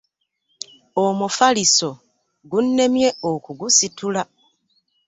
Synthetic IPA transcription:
omufaliso̞ | ɡunːe̞mje̞okuɡusitula

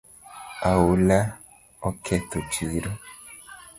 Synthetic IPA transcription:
awola | ɔkʰɛt̪ot͡ʃiɾo

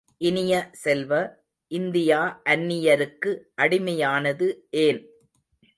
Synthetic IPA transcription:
ʔɪnɪjɐsɛlʋɐ | ʔɪnd̪ɪjaːʔɐnːɪjɐɾɯkːɯʔɐɽɪmɐjaːnɐðɯʔeːn

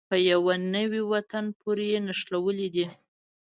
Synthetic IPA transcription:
pəjawanəwiwat̪anpoɾejenaʃlawəlid̪i

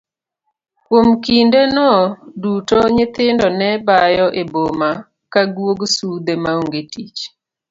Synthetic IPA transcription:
kwomkindenɔdutoɲɪt̪ɪndɔnɛbajɔʔeboma | kaɡwoɡsud̪emaoŋɡetit͡ʃ

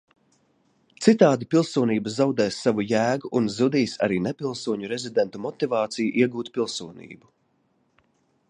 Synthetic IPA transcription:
t̪sit̪aːd̪ipilˠsuɔniːbazawd̪ɛːsːavujæːɡuʔːnzud̪iːsa̰ɾiːnɛpilˠsuɔɲuɾɛzid̪ɛnt̪umɔt̪ivɑːt̪sijuʔiɛɡuːt̪pilˠsuɔnḭːbu

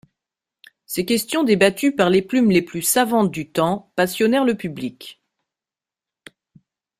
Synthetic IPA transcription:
sekʲɛst̪jɔ̃d̪ebat̪ypaʁleplymleplysavɑ̃t̪̚d̪yt̪ɑ̃pasjɔnɛʁləpyblik

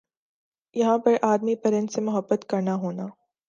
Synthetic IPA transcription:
jɐɦãpɐɾʔaːd̪mipɐɾə̃nd̪semʊɦəbːət̪kɐɾnaɦoːnaː

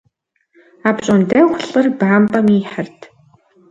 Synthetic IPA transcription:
apɕʼɔntæwxʷɬɨrbaːmpʼamiːħartʰ

